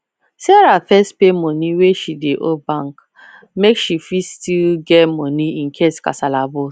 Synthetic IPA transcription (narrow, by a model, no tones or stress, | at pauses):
sɛɾafɛstpemɔ̃niweʃideʔobãŋk | mekʃifistilɡɛmɔ̃nĩĩn̩kʰeska̰salabo